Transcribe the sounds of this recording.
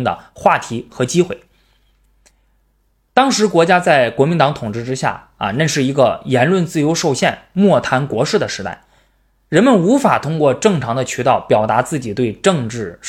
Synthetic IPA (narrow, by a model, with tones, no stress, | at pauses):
d̪ə̰˧xwa˥˩t̪ʰi˧˥xɤ˧˥t͡ɕi˥xwe˥˩ɪ | t̪ɑ˥ŋʂɻ̩˧˥kwɔ˧˥t͡ɕja˥t͡sa˥˩ɪkwɔ˧˥mi˧˥nt̪ɑ˧˥ŋt̪ʰʊ˨˩ŋʈ͡ʂɻ̩˥˧ʈ͡ʂɻ̩˥ɕja̰˥˩ | ɐ̰˧ne˥˧ʂɻ̩˥˩i˧˥ɡə˧jɛ˧˥nlwə˥˧nt͡sɹ̩˥˩jo˧˥ʊʂo˥˧ʊɕjɛ˥˩nmwɔ˥˩t̪ʰa˧˥nkwɔ˧˥ʂɻ̩˥˩d̪ə˩ʂɻ̩˧˥t̪a̰˥˩ɪ | ɻə˧˥nmə˧nu˧˥fa˨˩t̪ʰʊ˥ŋkwɔ˥˧ʈ͡ʂɤ˥˩ŋʈ͡ʂʰɑ˧˥ŋd̪ə˧t͡ɕʰy˧˥t̪ɑ˥˩ʊpjɑ˨˩ʊt̪a˧˥t͡sɹ̩˥˩t͡ɕi˨˩t̪we˥˧ɪʈ͡ʂɤ˥˧ŋʈ͡ʂɻ̩˥˩ʂ